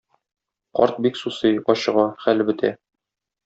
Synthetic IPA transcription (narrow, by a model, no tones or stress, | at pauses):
qɒ̰ɾt̪̚biksusɤjɒɕɤ̆ʁɑχælbɘ̆t̪ʰæ̰